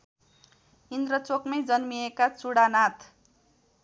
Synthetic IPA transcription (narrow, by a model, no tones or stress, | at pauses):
ind̪rʌt͡sokmʌjd͡zʌnmiekat͡suɽanat̪ʰ